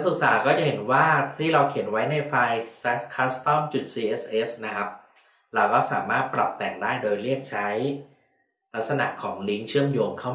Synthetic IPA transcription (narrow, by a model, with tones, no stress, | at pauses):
a˥su˨˩k̚saː˨˩˦kɔː˥˩t͡ɕa˨˩ɦe˩˦nwaː˥˩t̪ʰiː˥˩ɾa˧wkʰi˨˩˦ənwa˦˥jna˧jfa˧jsa˦˥kʰaː˦˥st̪ɔ˥˩mt͡ɕu˨˩t̪̚siː˧ʔe˦˥sʔeː˦˥sna˦˥kʰa˦˥p̚ | ɾa˧wkɔː˥˩sa̰ː˩˦maː˥˩t̪̚pɾla˨˩p̚t̪ɛː˨˩ŋdaː˥˩jdoː˧jɾi˥˩ək̚t͡ɕʰa˦˥j | la˦˥k̚sa˧na̰˨˩kʰːɔ̰ː˩˦ŋli˦˥ŋt͡ɕʰɯ˥˩əmjoː˧ŋkʰa˥˩wm